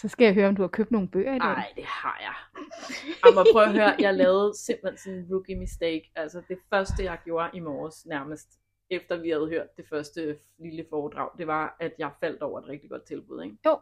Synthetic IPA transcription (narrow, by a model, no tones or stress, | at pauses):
sɒ̽sɡ̥æjaɦøːɐɒ̽md̥uhɑ̈kʰøb̥̚d̥no̝ːn̩b̥ø̰ːɐideɪd̥e̝hɑ̰̈jɑ̈ɪ | ɑmɒpʁœʊɐɦøːɐjjɑ̈lɛːð̩ˠse̝m̰b̥l̩hensɔ̽nʋuɡ̥ʰimisd̥eɪɡ̥æl̰sɐd̥e̝fɶɐsd̥əjɑ̈ɪɡ̥jo̝ːɐʔimɒːsnæɐməsd̥ | efd̥ɐʋihæð̞̩ˠɦøɐ̰d̥ːe̝fɶɐsd̥ə | liləfɒːd̥ʁɑ̰̈ʊ̰d̥e̝ʋɑ̈æd̥jɑ̈ɪfæl̰d̥ɒʊɐe̝d̥ʁɡ̥̚d̥iɡ̥ɒ̽d̥̚t͡sʰe̝lb̥ṵð̰ˠeɡ